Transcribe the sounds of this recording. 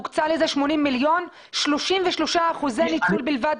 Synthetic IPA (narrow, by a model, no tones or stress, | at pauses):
kt͡salezeʃmo̞nimːiljo̞n | ʃloʃimveʃloʃaːχuzenit͡sulbilvad